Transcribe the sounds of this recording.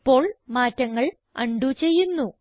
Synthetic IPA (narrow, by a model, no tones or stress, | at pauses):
pːo̞ːɭmaːtːɐŋːɐɭ | ɐ̰ɳɖut͡ɕe̞jːunːu